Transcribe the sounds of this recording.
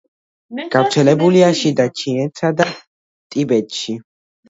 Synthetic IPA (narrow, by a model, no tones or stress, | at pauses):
ɡ̥avɾt̪sʰɛlɛbuliaʃid̪at͡ʃʰiɛt̪sad̪a | t̪ʼibɛt̪ʼʃi